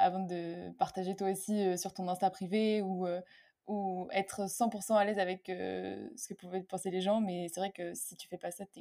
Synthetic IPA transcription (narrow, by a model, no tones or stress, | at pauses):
a̰vɑ̃d̪əpaʁt̪aʒet̪waosiøsyʁt̪ɔ̃nɛ̃st̪apχiveuø | uɛt̪χəsɑ̃puʁsɑ̃alɛzavɛkø̰sə̥kəpuvɛpɑ̃seleʒɑ̃mɛsɛvʁɛkəsit̪y̥fɛpasat̪